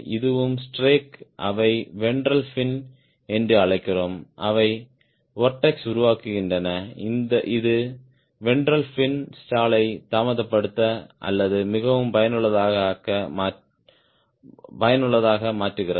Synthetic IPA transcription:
ɪðɯʋɯmsʈreːkʔɐʋɐɪʋɛɳɖɾɐlfɪn | ɛndrɯɐɭɐɪkːɪroːmʔɐʋɐɪ | ʋɔɾʈːɐksʊɾʊʋaːkɯɣɪndrɐnɐɪnd̪ɐʔɪðɯ | ʋɛɳɖɾɐlfɪnsʈaːɭɐɪt̪aːmɐðɐpːɐɽɯt̪ːɐʔɐ̰lːɐðɯmɪɣɐʋɯmpɐjɐnɯɭːɐðaːɣɐkɐmaː | pɐjɐnɯɭːɐðaːɣɐmaːʈrɯɣɪrɐ

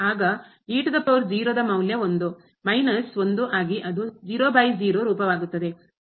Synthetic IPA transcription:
aːɡɐ | iːʈɐd̪ɐpɐʋɐɾd͡ʒiːɾoːd̪ɐmɐwljɐond̪u | mɐjnɐsond̪uʔaːɡiʔɐd̪ud͡ʒiːɾoːbɐjd͡ʒiːɾoːɾuːpɐʋaːɡut̪ːɐd̪e̞

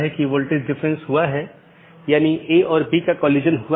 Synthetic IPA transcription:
ɦɛkiʋoːlʈɪɾɖɪfɾɛ̃nsɦuaɦɛ | jaːniʔeʔɔːɾbikakɔluːd͡ʒənɦua

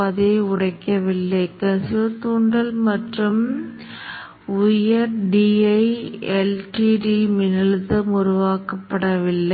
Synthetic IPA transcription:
ɐðeʊɽɐɪkːɐʋɪlːɐɪkɐsɪɐt̪uːɳɖɐlmɐʈrɯm | ʊjɐɾɖiɐɪɛlʈiʈimɪnɐltðɯmʊɾʊʋaːkɐpːɐɽɐʋɪlːɐ

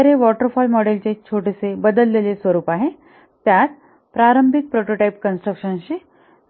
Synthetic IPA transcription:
ɾeʋɔʈəɾfɔlmɔɽelt͡ɕet͡ɕʰoʈisebəd̪əlːelesʋəɾuːpaɦe | t̪jat̪ | pɾaɾəmbʱik̚pɾoʈoʈajp̚kənsʈɾəkʂənɕiː

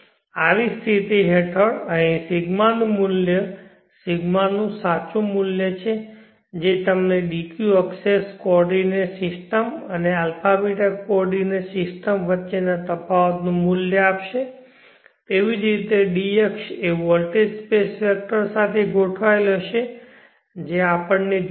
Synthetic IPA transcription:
aʋist̪ʰit̪iɦeʈʰəɽənisɪɡmanumʊljə | siɡmanːũsat͡ʃũmʊljət͡ʃʰe | d͡ʒet̪əmneɖikjuəkseskɔɾɖinesɪsʈəmənealpʰabiʈakɔɾɖinesɪsʈəmʋətːʃenat̪əpawt̪nũmʊljəapʃe | t̪eʋid͡ʒɾit̪eɖiekʃeʋəlʈespesfɛk̚ʈəɾsat̪ʰeɡʱoʈʰʋajləʃe | d͡ʒeapəɳne

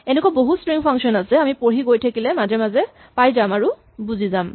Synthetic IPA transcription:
ɛnɛkwaboɦustɹiŋpʰaŋksɔnasɛamipoɹiɡojtʰakilɛmazɛmazɛ | pajzamaɹu | buzizam

